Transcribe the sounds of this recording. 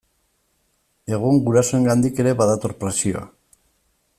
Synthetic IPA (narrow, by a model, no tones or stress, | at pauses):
e̞ɣ̞uŋɡuɾasoe̞ŋɡand̪ike̞ɾe̞βaðat̪oɾpɾesio̞̰a̰